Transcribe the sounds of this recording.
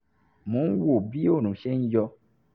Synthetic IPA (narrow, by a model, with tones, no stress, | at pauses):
mõ˨˦wo˦˨bi˦o˦˨ñũ˨˦ʃɛ˦n̩˦jɔ˧